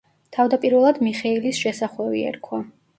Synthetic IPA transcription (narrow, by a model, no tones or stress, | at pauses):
t̪ʰavd̪apʼiɾvɛlˠad̪miχɛilisʃɛsaχlɛvḭɛ̰ɾkʰwa